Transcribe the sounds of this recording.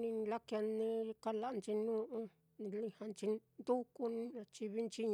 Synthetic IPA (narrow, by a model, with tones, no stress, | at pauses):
nĩ˧la˦kja˧nĩ˧ka˦la˧ʔnt͡ʃi˧nũ˦ʔũ˦ | nĩ˧lĩ˧ha˧nt͡ʃi˧nd̪u˦ku˧nĩ˦ã˧t͡ʃi˧βi˦nt͡ʃi˦ɲ